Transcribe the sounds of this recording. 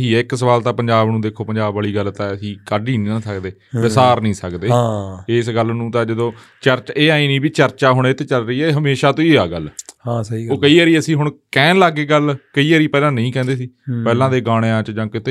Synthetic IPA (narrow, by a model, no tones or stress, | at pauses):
ɦiːɪksəʋaːlt̪ãːpəɲd͡ʒaːbnũːd̪eːkʰoːpəɲd͡ʒaːbaːɭiːɡəlt̪ãːəsĩːkaːɖiːnːãːsəkd̪eːbɪsaːɾnəĩːsəkd̪eːɪːsɡəlnũːt̪ãːd͡ʒəd̪õː | t͡ʃəɾt͡ʃeːaːĩːnĩːbiːt͡ʃəɾt͡ʃaːɦʊɳeːt̪eːt͡ʃəlɾəiːɛːɦəmeːʃaːt̪õːiːaːɡəlhãːsəiːoːkəiːəːɾiːəsĩːɦʊɳkɛ̃ːnlaːɡeːɡəlkəiːəɾiːpɛːlãːnəĩːkɛ̃ːnd̪eːsiːpɛːlãːd̪eːɡaːɽ̃eːãːt͡ʃd͡ʒãːkɪt̪eː